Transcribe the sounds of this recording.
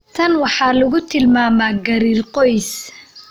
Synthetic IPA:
t̪ʰɐnwɑħɑːlʊɣʊt̪ʰɪlmaːmaːɡɐɾiːrqɔjs

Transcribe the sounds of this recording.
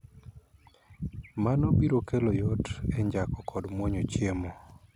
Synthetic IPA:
manobiɾokelɔjotɛɲd͡ʒakɔkʰɔdmwɔɲot͡ʃjemo

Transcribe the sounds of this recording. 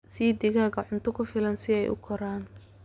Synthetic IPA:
siːd̪ɪɣaːɣɐʕʊnt̪ʰʊkʰʊfɪlɐnsɪɛ̰jʔʊ̰kʰɔɾaːn

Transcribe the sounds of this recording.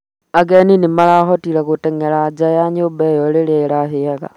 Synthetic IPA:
aɡeninimalaɦotilakuteŋelad͡ʒajaɲubejolileilaɦieka̰

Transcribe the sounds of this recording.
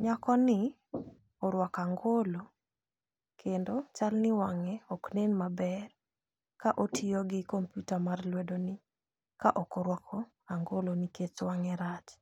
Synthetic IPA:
ɲakɔnɪ | ɔɾwakaŋɡolo | kʰendot͡ʃalnɪwaŋɛɔknenmabɛr | kaʔotʰiɔɡɪkompjutamarlwɛdonɪ | kaʔɔkɔɾwakʰɔ | aŋɡoloniket͡ʃwaŋɛɾat͡ʃ

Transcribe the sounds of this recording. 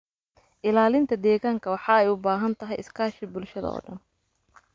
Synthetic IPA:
ʔɪlaːlɪnt̪ʰɐd̪ɛːɣaːŋkʰɐwɑħɑɛjʊbaːɦɐnt̪ʰɐɦɛjɪskʰaːʃɪbʊlʃɐðɐ̰ɔ̰ːɖɐ̰n

